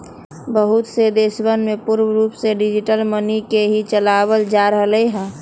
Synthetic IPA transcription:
bəɦʊt̪sed̪eːsbənmẽpuɾwɾuːpseɖɪd͡ʒiʈəlmənikeɦit͡ʃəlaːwəld͡ʒaɾəɦələiɦɛ̃ː

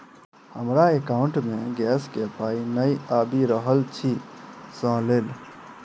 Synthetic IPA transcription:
həmɾaekaʊ̃ɳʈmẽɡɛːskepaːinəiaːbiɾəɦəlt͡ʃʰisə̃leːl

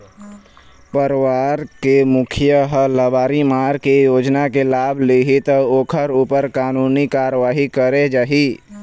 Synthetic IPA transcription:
pəɾwaːɾkemʊkʰijəɦələbaːɾimaːɾkejoːd͡ʒnakelaːbʱliɦit̪oːkʰəɾupəɾkaːnuːnikaːɾəʋaːɦikəɾed͡ʒaːɦi

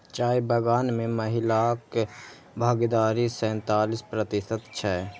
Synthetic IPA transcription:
t͡ʃaːjbəɡaːnmẽməɦɪlak | bʱaːɡd̪aːɾisɛ̃ːnt̪aːlispɾət̪ɪsət̪t͡ʃʰɛ

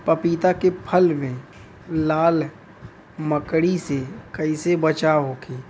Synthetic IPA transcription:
pəpiːt̪akepʰəlmẽː | aːl | məkɽisekəisebət͡ʃaɦoːkʰiː

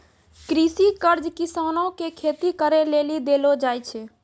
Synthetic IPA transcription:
kɾisikəɾd͡ʒkisanokekʰet̪ikəɾelelid̪elod͡ʒajt͡ʃʰɛ

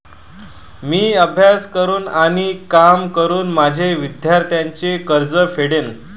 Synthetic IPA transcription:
miːəbʱjaskəɾuːnaɽ̃ikamkəɾuːnmad͡ʑʱeʋid̪jaɾt̪jaɲt͡ɕekəɾd͡zəfʰeɽen

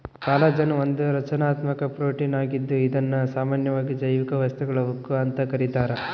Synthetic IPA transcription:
kaːlɐd͡ʒɐnɐond̪uɾɐt͡ʃɐnaːt̪mɐkɐpɾoːʈiːnaːɡid̪ːuid̪ɐnːɐsaːmaːnjɐʋaːɡid͡ʒɐjʋikɐʋɐst̪uɡɐɭɐʋukːuɐnt̪ɐkɐɾit̪aːɾɐ

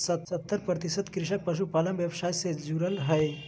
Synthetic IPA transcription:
sət̪sət̪ːəɾpɾət̪isəd̪kɾiʃək̚pəsupalənbjebsajsed͡ʒuɾəlɦəj

